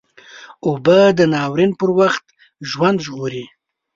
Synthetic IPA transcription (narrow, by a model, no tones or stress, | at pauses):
obad̪ənɑwɾinpəɾwaxt̪ | ʒwand̪ʒɣoɾi